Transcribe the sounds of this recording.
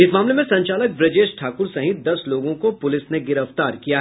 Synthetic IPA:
ɪsmaːmlemẽsɐ̃ɲt͡ʃaːlək̚bɾɐd͡ʒeːʃʈʰaːkʊɾsɐɦɪt̪̚d̪ɐsloːɡõkopʊlɪsneɡɪɾəft̪aːɾkijaɦ

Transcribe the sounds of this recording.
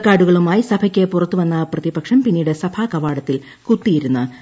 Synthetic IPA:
kːaːɽuɣɐɭumaːjisɐbʰʱɐkʲːepurɐt̪ːuʋɐnːɐprɐðibɐkʂɐmpinːiːɽesɐbʰʱaːkɐʋaːɽɐt̪ːil | kut̪ːijiɾunːɨ

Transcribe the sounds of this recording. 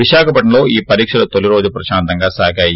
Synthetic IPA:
iʃaːkʰɐpɐʈnɐlo̞ːiːpɐɾiːkʂɐlɐt̪oliɾo̞ːd͡ʒupɾɐʃaːnt̪ɐŋɡaːsaːɡaːji

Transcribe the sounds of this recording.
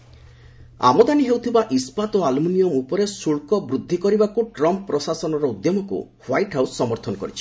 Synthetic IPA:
a̰mɔd̪aniɦewt̪ʰibaʔispat̪oalmunijɔmupɔɾesuɭkɔbɾud̪ʱːikɔɾibakuʈɾɔmppːɾɔsasɔnɔɾɔud̪jɔmɔkṵ | hwajʈɦawsːɔmɔɾt̪ʰɔnɔkɔɾit͡ʃʰi̥

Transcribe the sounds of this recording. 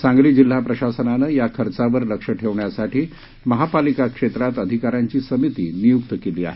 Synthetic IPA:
sãŋɡɭiːd͡ʑil̤ːapɾəɕasənanəjakʰəɾt͡saʋəɾləkʂəʈʰeʋɳjasaʈiː | məɦapalikakʂet̪ɾat̪əd̪ʱikaɾjaɲt͡ɕiːsəmit̪iːnijukt̪əkeliːa̰ɦe

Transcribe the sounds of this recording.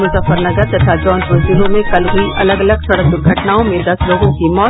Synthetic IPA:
mʊsəfəɾnɐɡəɾt̪ɐt̪ʰad͡ʒɔːnd͡ʒɾod͡ʒiɦõmẽkɐlɦʊiɐləɡɐləɡsɐɽək̚ʊɡʱɐʈnaːõmẽd̪ɐsloːɡõkimɔː

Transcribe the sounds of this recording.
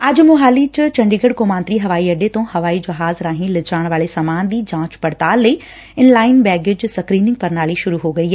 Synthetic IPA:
ɐd͡ʒmʊɦaːlit͡ʃt͡ʃɐ̃ɳɖiːɡəɽkoːmãːnt̪ɾiɦɐʋaːiɐɖet̪õːhɐʋaːid͡ʒɐɦaːzɾaːɦĩlɪt͡ʃaːɽ̃ʋaːɭesaːmaːnd̪iːd͡ʒãːt͡ʃpɐɽt̪aːlːəiː | ɪnlaːɪnbɛːɡed͡ʒsɐkɾiːnɪ̃ŋɡ̚pɐɾnaːliʃʊɾuɦoːɡɐiːɦɛː

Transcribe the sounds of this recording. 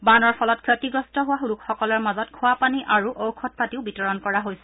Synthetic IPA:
banɔɹpʰɔlɔt̚kʰjɔtiɡɹɔstɔɦʊwaɦuɹukxɔkɔlɔɹmazɔtkʰʊwapaniʔaɹuʔowkʰɔt̚patiʊbitɔɹɔnkɔɹaɦojsɛ̥

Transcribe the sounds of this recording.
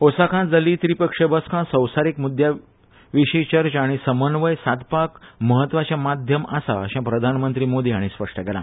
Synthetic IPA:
osakʰãd͡zəliːt̪ɾipəkʂebəskʰãsəwsaɾikmud̪ʱja | ʋiɕet͡ɕəɾt͡ɕaɽ̃isəmənʋəjsad̪pakməɦət̪ʋat͡ɕjamad̪ʱjəmasa̰əɕãpɾəd̪ʱanmənt̪ɾiːmod̪iːaɽ̃ispəʂʈʰəkɛlã

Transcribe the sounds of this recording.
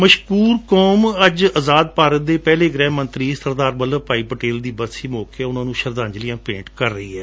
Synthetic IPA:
məʃkuːɾkoːməd͡ʒəzaːd̪̚paːɾət̪̚d̪eːpɛːleːɡɾɛːmənt̪ɾiːsəɾd̪aːɾbələpaːiːpəʈeːld̪iːbəsiːmɔːkeɛʊnãːnũːʃəɾd̪ãːɲd͡ʒlɪjãːpẽːɳʈkəɾːəiːɦɛː

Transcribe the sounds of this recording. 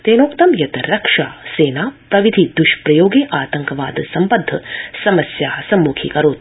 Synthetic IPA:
t̪eːnoːkt̪ɐmjɐt̪ɐɾɐkʂaːseːnaːpɾɐʋid̪ʱid̪uʃpɾɐjoːɡeːʔaːt̪ɐŋkɐʋaːd̪sɐmpɐd̪ʱːɐsɐmɐsjaːɦɐsɐmːuːkʰḭkɐɾoːt̪

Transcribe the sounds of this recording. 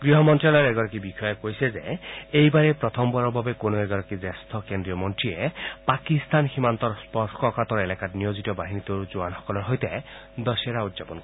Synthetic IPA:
ɡɾiɦɔmɔntɾialɔɾɛɡɔɾɔkibixʰɔjɔkojsezeejbaɾepɾɔt̪ʰɔmbɔɾɔbʱabekonueɡɔɾɔkizest̪ʰɔkendijɔmɔntɹiepakist̪anximant̪ɔɾspɔskʰɔkat̪ɔɾelakatnijozitɔbaɦinit̪oɾuzuanɦɔ̥kɔlɔɾɦɔjt̪ed̪ɔsaɾaud̪zapɔnkɔ

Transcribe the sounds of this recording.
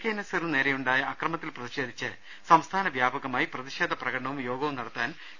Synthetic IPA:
kːenɐsɐrɨne̞ːɾɐjuɳɖaːjɐʔɐkrɐmɐt̪ːilprɐðiɕe̞ːd̪ʱit͡ɕːɨ | sɐmst̪ʰaːnɐʋjaːbɐɣɐmaːjiprɐðiɕe̞ːd̪ʱɐprɐɣɐɽɐɳɐʋumjo̞ːɡɐʋumnɐɽɐt̪ːaːn

